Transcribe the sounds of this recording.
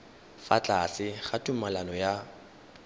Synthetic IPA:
fa̰t͡ɬʼasɪχatʼumalanɔja

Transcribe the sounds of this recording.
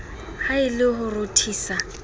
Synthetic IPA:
haɪlɪɦʊrʊtʰiːsa

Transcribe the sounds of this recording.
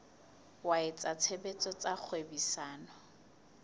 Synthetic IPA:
waɪt͡sʼat͡sʰebet͡sʼɔt͡sʼak͡xʰwebisaːnɔ

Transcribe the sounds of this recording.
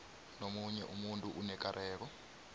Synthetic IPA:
nomuɲɛʔumuntʼuʔunɛkaɾʔɛːk̬ɔ

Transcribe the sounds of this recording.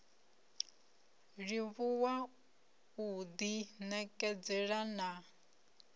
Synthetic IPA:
ɺiβuwa | ud̪inɛkʼɛd͡zɛɺana

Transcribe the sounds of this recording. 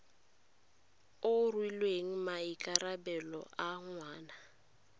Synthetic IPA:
ʊrwilweŋ̩maikʼaɾabɛlɔ̰ʔaŋwaːna

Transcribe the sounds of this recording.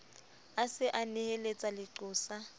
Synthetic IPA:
asɪʔanɪhelet͡sʼalɪǁʊːsa

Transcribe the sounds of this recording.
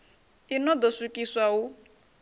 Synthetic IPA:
inɔd̪ɔsukʼisʷau

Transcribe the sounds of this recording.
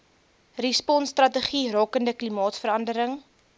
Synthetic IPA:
rispɔnstrɐtəχirɑːkəndəklimɑːtfəɾɐndəɾəŋ

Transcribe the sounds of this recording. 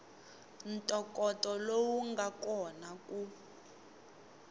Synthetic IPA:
n̩tʼɔkʼɔtʼɔlowuŋɡakɔnaku

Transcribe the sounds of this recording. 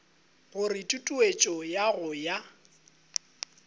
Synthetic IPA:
ɣʊrɪtʼutʼuet͡ʃʼɔjaɣʊja

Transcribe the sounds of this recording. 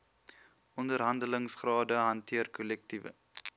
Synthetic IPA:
ʔɔndərɦɐndələŋsχrɑːdəɦɐntʰiərkɔlɛk̚tivə̰

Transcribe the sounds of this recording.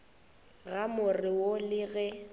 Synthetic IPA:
ɣamʊrɪwolɪɣɛ

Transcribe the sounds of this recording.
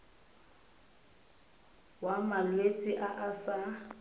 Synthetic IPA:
wamalwet͡sʼɪʔaʔasa

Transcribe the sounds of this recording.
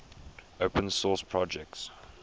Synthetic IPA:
opʰə̃nsɔspʰɹɔd͡ʒɛk̚ts

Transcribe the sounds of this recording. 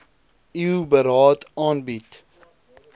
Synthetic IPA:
iubəɾɑːtɑːnbit

